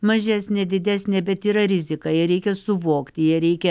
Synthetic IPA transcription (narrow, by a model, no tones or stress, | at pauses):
mɐʒʲæsʲnʲeːd̪ʲɪd̪ʲæːsʲnʲeːbʲɛt̪iːɾɐɾʲɪzʲɪkɐjɪɾʲɛɪkʲɛsʊʋoːkt̪ʲɪjɛɾʲɛɪkʲɛ